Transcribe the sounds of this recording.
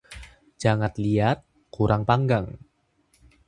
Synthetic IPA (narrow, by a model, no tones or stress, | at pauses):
d͡ʒaŋat̪̚liat̪̚ | kuɾʔaŋpaŋɡaŋ